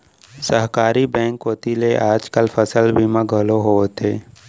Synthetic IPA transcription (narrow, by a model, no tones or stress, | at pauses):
səɦkaːɾibɛ̃ːŋkːoːt̪ileʔaːd͡ʒkəlfʰəsəlbʱimãɡʱəloɦoːt̪ʰeː